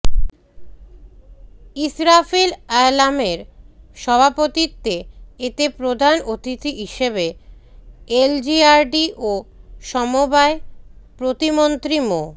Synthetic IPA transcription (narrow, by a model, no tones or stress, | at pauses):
isɾafilalameɾʃɔbʱapot̪it̪ːeet̪epɾod̪ʱanot̪it̪iɦiʃeβe | eld͡ʑiaɾɖiʔoʃɔmobaepɾot̪imont̪ɾimo